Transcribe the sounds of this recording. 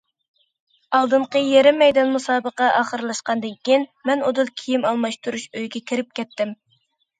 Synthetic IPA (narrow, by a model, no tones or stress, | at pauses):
ɑlˠd̪ɨɴqəjeɾɪmːɛjd̪ɑnmusɑːbəqɑʔɑːχəɾlˠɑʃqɑnd̪ɨkʲinmɛnod̪ɨlˠkʲʰijimɑlˠmɑʃt̪uɾuʃøjɡʲɛkʲʰiɾɪp̚kʲɛt̪ːɪm